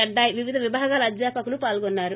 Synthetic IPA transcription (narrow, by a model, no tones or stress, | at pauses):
ɐɖːaːjiʋiʋid̪ʱɐʋibʱaːɡaːlɐɐd̪d͡ʒaːpɐkulupaːlɡɔnːaːɾu